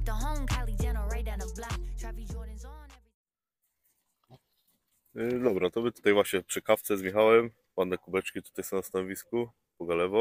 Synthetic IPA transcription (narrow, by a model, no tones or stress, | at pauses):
ðəɦõʊ̃mkʰælˠidɛnəɹeɪdæ̃nəblatʰɹ̥ævid͡ʒɔ̃nɪ̃nznɛvɹi | d̪ɔbɾat̪ɔmɘt̪u̥t̪ajvwaɕɲɛpʂɨkaft̪sɛzmʲjɛxawɛm | panːɛkubɛt͡ʂkʲit̪u̥t̪ajsɔ̃w̃nast̪anɔvʲisku | pɔɡalɛvɔ